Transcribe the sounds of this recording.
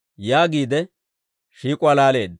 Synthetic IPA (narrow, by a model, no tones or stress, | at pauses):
jaːɡiːd̪ɛ | ʃiːkʼʊalaːle̞ːd̪